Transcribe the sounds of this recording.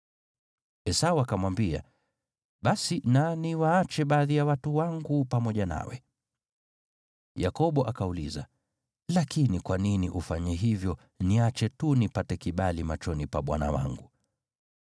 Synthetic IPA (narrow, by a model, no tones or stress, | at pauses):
ɛsauakamwambia̰ | ɓasinaniwaat͡ʃɛɓaːðijawatuwaŋɡupamɔʄana̰wɛ̰ | jakɔɓɔʔakaulḭza | lakinikwaniniʔufaɲɛɦivjɔ | niat͡ʃɛtunipatɛkiɓalimat͡ʃɔnipaɓwa̰na̰wa̰ŋɡu